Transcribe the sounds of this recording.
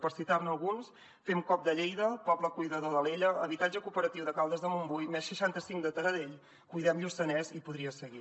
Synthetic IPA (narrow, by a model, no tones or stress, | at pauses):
pəɾsit̪arnəlˠɣuns | femkɔp̚d̪əʎejðəpɔbləkujðəðoðəleʎəəβit̪ad͡ʒəkupəɾət̪iwðəkalˠd̪əzðəmumbujmɛsʃəʃant̪əsiŋkd̪ət̪əɾəðeʎ | kujðɛmʎusənɛzipuðɾiəsəɣi